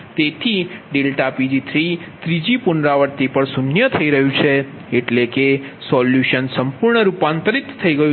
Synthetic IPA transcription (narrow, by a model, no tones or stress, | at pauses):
t̪et̪ʰiɖelʈapid͡ʒit̪ʰɾit̪ɾid͡ʒipʊnɾaʋəɾt̪ipəɳsunjət̪ʰəiɾəɦjũt͡ʃʰe | eʈlekesɔljuʃənsəmpuɾɳəɾupant̪əɾit̪ʰːəiɡəjũ